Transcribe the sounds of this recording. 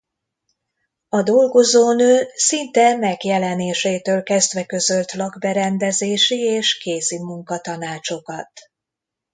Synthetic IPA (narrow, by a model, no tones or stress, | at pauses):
ɒd̪o̞lɡo̞zoːnøːsint̪ɛmɛɡjɛlɛneːʃeːt̪øːlkɛzd̪vɛkø̞zølt̪lɒɡbɛɾɛnd̪ɛzeːʃieːʃkeːzimuŋkɒt̪ɒnaːt͡ʃo̞kɒt̪